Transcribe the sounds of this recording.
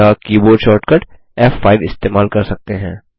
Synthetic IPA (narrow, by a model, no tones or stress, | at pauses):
akiːboːɖʃɔːɾʈkɐʈ | ɛːfːaːɪʋɪst̪eːmaːlkɐɾsɐk̚t̪eɦɛ̃ː